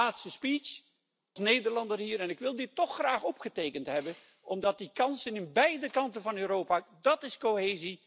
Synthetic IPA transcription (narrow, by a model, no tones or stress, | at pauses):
aːtstəspis | snejdəɹlɑndərɦiːɾɛnɪkʋɪlˠdɪtːɔχːraːχɔpχətejkəntɦɛbən | ʔɔmdɑt̚dikɑnsɪnɪbɛjdəkɑntənvɑnøːɾowpaːdɑtɪskoɦeːzi